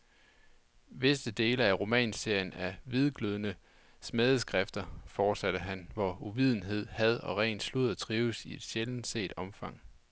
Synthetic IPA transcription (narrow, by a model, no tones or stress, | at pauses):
ʋe̝sd̥əd̥e̝ːləæʁo̝mɛ̰ːnse̝ɐ̰jənæʋið̞ˠɡ̥løðˠənə | smɛðˠəsɡ̥ʁafd̥ɐfɒːd̥sæɾ̥əɦænʋɒuʋið̞ˠn̩ɦe̝ð̞̰ˠhæð̞ˠɒ̽ʁɛ̰ːnd̥sluð̩ˠt͡sʰʁiːʊsie̝d̥ɕeln̩se̝̰ːd̥ɒ̽mfɑ̈ŋ̰